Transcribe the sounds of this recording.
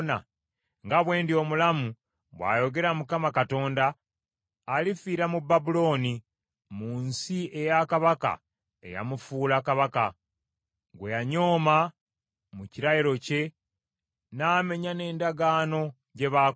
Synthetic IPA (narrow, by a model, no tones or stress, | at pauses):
na̰ | ŋɡaβwe̞ːndio̞mulamu | βwa̰ːjo̞ɡe̞ɾamukamakato̞ːndaː | lifiːɾamubːabulo̞ːni | muːnsie̞jakaβaka̰ | ḛja̰mufuːlakaβaka | ɡwejaɲo̞ːma | muciɾajiɾo̞ce̞ | naːme̞ɲane̞ːndaɡaːno̞ | ɟe̞βa